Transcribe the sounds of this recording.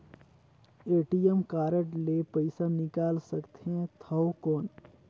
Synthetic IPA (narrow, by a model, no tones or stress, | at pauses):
eːʈijəmkaːɾəʈlepɐɪsanɪkaːlsɐkt̪eɦɛ̃t̪ʰɐwkɔːn